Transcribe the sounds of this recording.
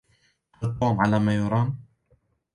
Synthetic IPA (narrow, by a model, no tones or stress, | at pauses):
ʔɨt̪ˤːoːmʕalamajʊɾˤɑːn